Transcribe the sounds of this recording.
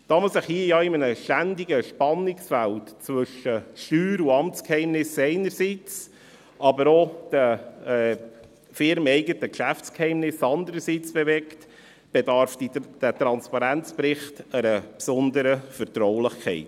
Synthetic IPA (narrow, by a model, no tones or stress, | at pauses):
d̥ɑməsɪχhiəjɑɪmənəʃtænd̪ɪɡəʃpɑnːɪksfæltt͡svɵʃəʃtyːɾuɑmt͡skhɛɪmnɪsɛɪnəɾsiːt͡s | ʔɑbəɾod̥əɛː | fɪɾmɛɪɡətəkʃæft͡skhɛɪmnɪsɑnd̪əɾəɾsiːt͡sb̥evɛkt | b̥edɑɾfdid̥ætɾɑnspɑɾænt͡spɾɪχtəɾəpsʊnd̪əɾəfəɾtɾɔwlɪχkʰχɛ̰ɪt